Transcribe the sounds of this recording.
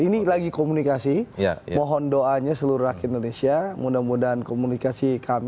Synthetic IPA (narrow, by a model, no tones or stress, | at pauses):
inilaɡikomunikasij̰mɔɦɔndoʔaɲasəluɾuɾakindonesiamudamudaankomunikasikʰam